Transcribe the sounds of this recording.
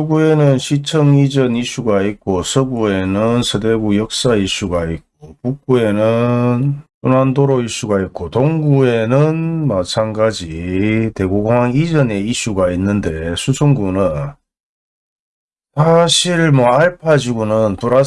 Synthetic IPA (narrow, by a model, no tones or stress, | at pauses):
oɡue̞nɯnɕʰit͡ɕʰʌŋid͡ʑʌniɕuɡaik͈osʰɯɡue̞nɯnsʰɯde̞ɡujʌk̚s͈aiɕ͈uɡaik͈̚opuk͈̚ue̞nɯnsonandoɾoiɕ͈uɡait̚k͈otoŋɡue̞nɯnmat͡ɕʰaŋɡad͡ʑite̞ɡoɡoŋaŋid͡ʑʌne̞iɕ͈uɡainːɯnde̞sʰusʰoŋɡunɯn | sʰaɕʰiɭmwʌaɭpʰad͡ʑiɡonɯnpuɾa